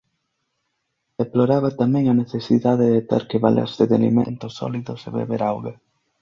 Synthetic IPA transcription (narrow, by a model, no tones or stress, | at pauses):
d̪̥eploɾaβat̪amɛ̃ŋaneθesiðaðeðet̪eɾkeβa̰lḛɾseðealḭmḛ̃nt̪osɔ̰liðʊseβḛβeɾawɣe